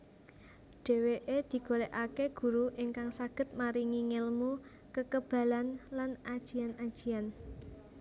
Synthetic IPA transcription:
ɖ̥e̤weʔed̪̥i̤ɡ̥oleʔakeɡ̥ṳɾuʔiŋkaŋsaɡ̥ə̤t̪̚maɾiŋiŋɪlmu | kəkəb̥ä̤lanlanad̥ʒ̥i̤anad̥ʒ̥i̤an

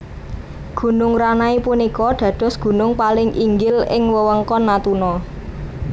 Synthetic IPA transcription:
ɡ̥ṳnʊŋranaipunikɔɖ̥ä̤ɖ̥ɔ̤sɡ̥ṳnʊŋpalɪŋʔiŋɡɪlɪ̰ŋwəwəŋkɔnːat̪unɔ

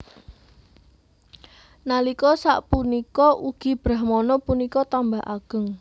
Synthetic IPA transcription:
nalikɔsa̰ʔpunikɔʔuɡ̥i̤b̥ɾahmɔnɔpunikɔt̪ambaɦʔa̰ɡ̥ə̤ŋ

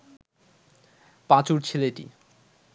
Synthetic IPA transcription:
pãt͡ɕuɾt͡ɕʰileʈḭ

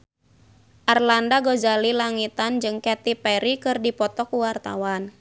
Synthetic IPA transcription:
ʔarlandaɡozalilaŋit̪and͡ʒɨŋkɛt̪ipɛɾikɨrdipɔt̪ɔkuwart̪a̰wan

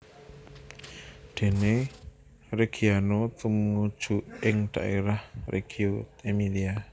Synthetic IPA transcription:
d̥e̤ne | reɡ̥ianot̪umu̥d͡ʒ̥uʔɪŋd̥a̰ʔeɾahrʔḛɡ̥iot̪emilia

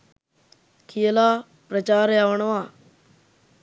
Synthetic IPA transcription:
kʰijəlaː | pɾət͡ʃaːɾjaːʋəɳʋãː

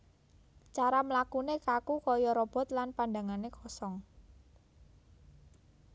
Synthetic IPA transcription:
t͡ʃaɾaməlakunekakukɔjɔɾɔb̥ɔ̤t̪lanpandaŋanekʰɔsɔŋ

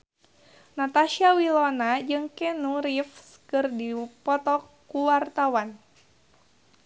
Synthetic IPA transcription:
nat̪aʃiawilɔnad͡ʒɨŋkɛnuɾifskɨrdipɔt̪ɔkuwart̪awan

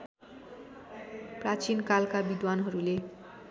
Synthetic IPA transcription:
prat͡sinkalkabid̪wanɦʌɾule

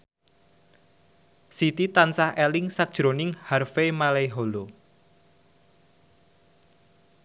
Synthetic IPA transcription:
sit̪it̪ansahɛlɪŋsad̥ʒ̥ɾonɪŋharfemaleɦolo

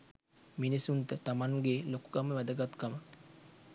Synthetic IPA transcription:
minisunt̪ət̪amaŋɡeloku̥kaməʋæd̪əɡat̪kamə

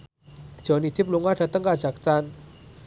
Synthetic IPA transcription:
d͡ʒ̥ɔnit̪ʰip̚luŋwadat̪əŋkad͡ʒak̚t͡san

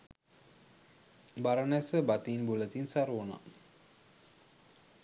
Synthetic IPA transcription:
baɾanɛsəbat̪inbulət̪insaɾona̰

